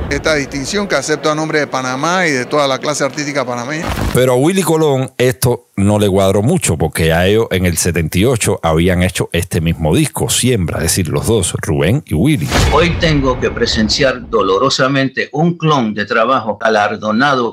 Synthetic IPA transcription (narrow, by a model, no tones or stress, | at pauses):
e̞st̪aðist̪insjo̞ŋkease̞p̚t̪oanõmbɾeðepanãmaiðe̞t̪o̞ðalaklaseaɾt̪ist̪ikapanãmeɲape̞ɾoaɣwiliko̞lo̞ŋe̞st̪o̞ | no̞le̞ɣwaðɾo̞mut͡ʃo̞po̞ɾke̞aeoʔeŋe̞lse̞t̪e̞nt̪io̞t͡ʃo̞ʔaβiaŋe̞t͡ʃo̞ʔe̞st̪e̞mizmo̞ð̞isko̞sje̞mpɾa̰eðesiɾlo̞̰zðo̞srṵβe̞ŋiwilḭojt̪e̞ŋɡoke̞pɾe̞se̞nsjaɾd̪o̞lo̞ɾosamẽ̞nt̪e̞ʔuŋklõŋd̪e̞t̪ɾaβaxoalaɾðo̞naðo